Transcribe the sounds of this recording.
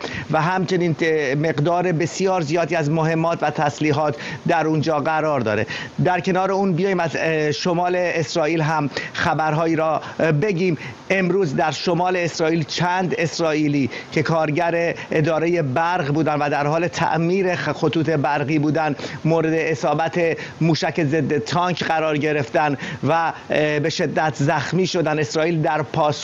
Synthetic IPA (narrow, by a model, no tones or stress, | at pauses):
væɦæmt͡ʃʰe̞niːnme̞ɣd̪ɒːɾe̞be̞sijɒːɾzijɒːd̪iːæzmoɦe̞mːɒːt̪ʰvæt̪ʰæsliːɦɒːt̪ʰd̪æɾund͡ʒɒːɢæɾɒːɾd̪ɒ̰ːɾe̞̰d̪æɾcʰe̞nɒːɾe̞uːnbijɒːjiːmæzʃomɒːle̞esɾɒːiːlɦæmxæbæɾɦɒːjiːɾɒː | be̞ɟiːm | e̞mɾuːzd̪æɾʃo̞mɒːle̞ːsɾɒːʔiːlt͡ʃʰænd̪e̞sɾɒːʔiːliːcʰe̞kʰɒːɾɟæɾeːd̪ɒːɾeje̞bæɾɣbuːd̪ænd̪væd̪æɾhɒːle̞t̪ʰæ̰ʔmiːɾexo̞t̪uːt̪ʰe̞bæɾɣiːbuːd̪ænmoːɾed̪eesɒːbæt̪ʰemuːʃæce̞zed̪ːet̪ʰɒːŋkʰɢæɾɒːɾɟe̞ɾe̞ft̪ænvæbe̞ʃe̞d̪ːæt̪ʰzæxmiːʃo̞d̪æne̞sɾɒːiːld̪æɾpʰɒːs